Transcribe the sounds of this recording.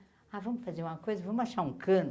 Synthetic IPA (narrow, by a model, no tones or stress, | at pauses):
avɐ̃mʊfazeɾũmɐkojzɐvɐ̃mʊaʃaɾũkʰɐ̃n